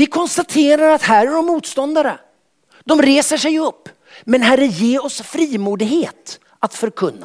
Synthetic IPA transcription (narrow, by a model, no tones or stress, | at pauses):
vɪkʰɔnst̪at̪ʰeːɾaɾat̪hæːɾæɖɔmːuːt̪st̪ɔnd̪aɾə | d̪ɔmɾeːsəʂɛjɵpː | mɛnɦærːəjeːɾɔsfɾiːmuːd̪ɪɡheːt̪ | at̪fœɾkʰɵnːa̰